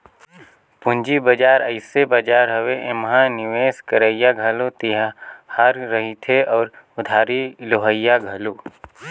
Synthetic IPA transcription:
pʊ̃nd͡ʒibɐd͡ʒaːɾəɪsebəd͡ʒaːɾɦɐʋeʔẽmɦãnɪʋeːskəɾəijaɡʱɐlot̪iɦahaːɾːɐɦit̪ʰeɔːɾ | ʊd̪ʱaːɾiloɦəjːaɡʱəloː

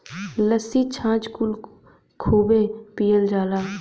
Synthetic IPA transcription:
ləsit͡ʃʰãːt͡ʃkʊl | kʰoːbeːpiːjəld͡ʒaːlaː

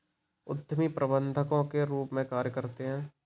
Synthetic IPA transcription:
ʊd̪ʱəmipɾʔəbə̃nd̪ʱəkõkeɾuːpmẽkaːɾjəkɐɾt̪eɦɛ̃ː

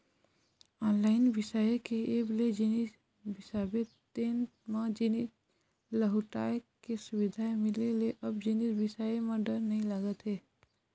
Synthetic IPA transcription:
ɔːnlaːɪnʋɪsaekeeːbled͡ʒinis | bɪsaːbet̪eːnmãd͡ʒɪni | ləɦuʈa̰ːekesʊʋɪd̪ʱaemɪleleʔɐbd͡ʒinisbɪsaemãɖəɾnəɦĩlaɡət̪ɦeː

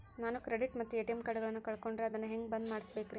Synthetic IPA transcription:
naːnukɾeɖiʈmɐt̪ːueʈemkɐɽɐɡɐɭɐnːukɐɭko̞ɳɖɾeɐd̪ɐnːɐɦeŋɡbɐnd̪maːɽisbe̞ːkɾ

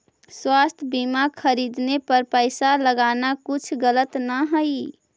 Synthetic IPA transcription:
swast̪ʰbimakʰəɾid̪nepəɾpəɪsaləɡanakut͡ʃʰɡələt̪nəɦəi

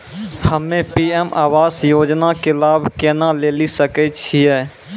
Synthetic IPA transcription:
həmẽpiːɛmʔa̰ːʋaːsjoːd͡ʒnakelaːbʱkɛːnaleːlisəkɛt͡ʃʰiɛː

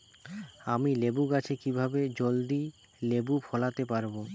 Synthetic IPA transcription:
amilebuɡat͡ɕʰekibʱabed͡ʑold̪i | lebupʰɔlat̪epaɾbo

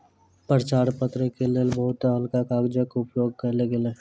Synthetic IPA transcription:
pəɾt͡ʃaːɾpət̪ɾəkeleːlbəɦʊt̪aɦəlkakaːɡd͡ʒakʊpjoːɡ̚kɐleɡele

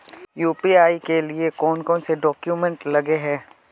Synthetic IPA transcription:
juːpiaːikeliekɔːnkɔ̃ːnseɖɔːkjumɛ̃ɳʈlɐɡeɦɛ̃ː

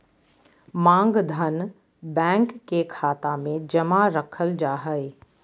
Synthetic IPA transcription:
mãːŋɡd̪ʱɐn | bɛ̃ːŋkːekʰaːt̪amẽd͡ʑɐmaɾɐkʰəld͡ʒaːɦəe

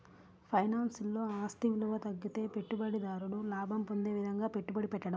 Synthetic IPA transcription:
pʰɐjnaːnsulːo̞ːaːst̪iʋiluʋɐt̪ɐɡːit̪e̞ːpe̞ʈːubɐɽid̪aːɾuɽulaːbʱɐmpond̪e̞ːʋid̪ʱɐŋɡaːpeʈːubɐɽipɛʈːɐɽɐm

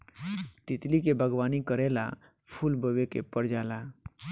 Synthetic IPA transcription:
t̪ɪt̪likebʱəɡʋaːnikəɾela̰ | pʰulbəʋekḛpəɾd͡ʒaːla

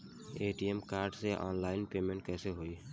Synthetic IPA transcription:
eːʈiemkaːɾɖseʔɔ̰ːnlaːɪnpeːmẽɳʈ̚kɛːseɦoːi

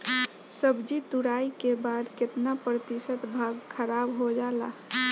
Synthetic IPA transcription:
səbd͡ʒit̪uɾaikebad̪ket̪napɾət̪isət̪bʱaɡkʰəɾabɦod͡ʒala̰

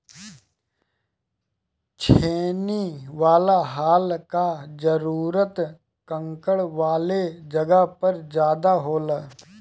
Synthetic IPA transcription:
t͡ʃʰeːniʋaːlaɦaːlkad͡ʒəɾuːɾət̪ | kə̃ŋkəɭʋaːled͡ʒɐɡapɐɾd͡ʒjaːd̪aɦoːləː

